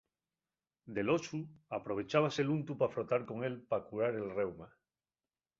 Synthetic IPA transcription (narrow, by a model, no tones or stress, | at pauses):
d̪e̞lo̞suapɾo̞β̞e̞t͡ʃaβ̞ase̞lunt̪upafɾo̞t̪aɾko̞ŋe̞lpakuɾaɾe̞lre̞wma